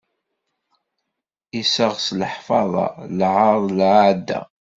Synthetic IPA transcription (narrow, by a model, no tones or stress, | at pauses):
isəʁslħfɑðˤɑ̰lʕəðˤlʕaʕd̪ːæ̰